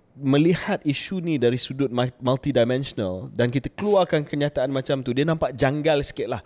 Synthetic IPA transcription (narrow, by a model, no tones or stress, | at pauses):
mə̃lihat̪̚iʃunĩdaɾisudʊt̪̚malt̪idajmɛ̃nsɔnaldankit̪akəluarkankəɲãt̪aanmãt͡ʃamt̪udiənãmpaʔd͡ʒaŋɡalsə̥kɪt̪̚lah